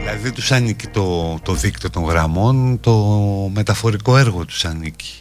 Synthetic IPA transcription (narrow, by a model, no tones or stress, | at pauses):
ilɐðiðet̪usɐnici̥t̪o̞t̪o̞ðikt̪ot̪o̞ŋɣɾɐmo̞nt̪o̞me̞t̪ɐfo̞ɾiko̞e̞ɾɣo̞t̪u̥sɐnici̥